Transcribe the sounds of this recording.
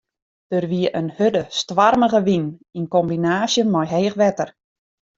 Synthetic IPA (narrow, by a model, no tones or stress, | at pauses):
d̥ərʋiəʔənhødəstʋarməɣəʋininkɔmbinaːsjənmɔjɦeːxʋɛtər